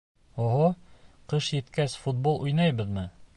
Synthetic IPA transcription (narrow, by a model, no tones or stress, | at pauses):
oɦoqɤʃjɘ̆t̪kæsfut̪̚bolˠujnɑjbɤ̆ðmɤ